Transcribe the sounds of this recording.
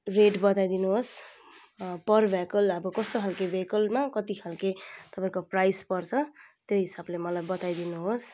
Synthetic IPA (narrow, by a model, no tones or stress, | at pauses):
reɖbʌt̪ajd̪inuɦos | pʌrbʱakʌlʌbʌkʌst̪okʰalkebekʌlmakʌt̪ikʰalket̪ʌpãĩkoprajspʌrt͡sʰʌt̪joɦisablemʌlajbʌt̪ajd̪inuɦos